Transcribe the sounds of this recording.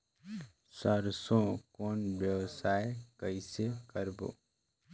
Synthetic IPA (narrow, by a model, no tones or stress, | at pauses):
səɾsõkoːnbjəʋsaːekəisekəɾbo̰ː